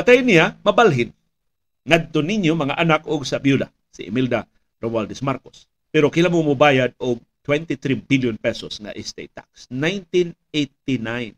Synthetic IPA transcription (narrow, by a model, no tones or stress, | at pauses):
pat̪ajnijamɐbalɦɪn | ŋad̪̚t̪oniɲjomɐŋaʔanakʊɡsabjula̰ | sḭʔɪ̰mild̪a | ɾomald̪ɛsmaɾkos | pɛɾokɪlamoŋmʊbaːjad̪̚ʊɡ̚t̪wɛnt̪it̪ɾibiljonpɛsosŋa̰ʔɪst̪ḛjt̪ːa̰ksnajnt̪in | et̪inajn